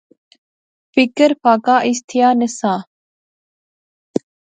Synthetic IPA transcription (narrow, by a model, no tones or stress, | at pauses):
fɪkəɾpaːkaːʔist̪ʰijaːnəsãː